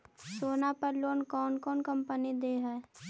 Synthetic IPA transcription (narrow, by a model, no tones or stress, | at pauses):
soːnapəɾloːnkɔːnkɔːnkəmpənid̪eːɦɛː